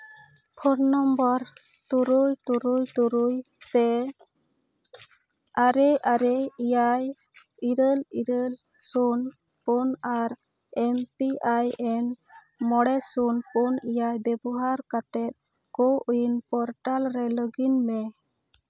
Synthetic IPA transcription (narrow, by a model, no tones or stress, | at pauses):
pʰɔɾnɔmbɔɾ | t̪uɾujt̪uɾujt̪uɾuj | pɛ | aɾɛʔaɾɛijaj | iɾəliɾəl | sun | pɔnaɾ | ɛmpiajɛn | mɔɽɛsunpɔnijajbɛbɔɦaɾkat̪ɛt̪̚ | kɔʔujinpɔɾʈalɾɛləɡinmɛ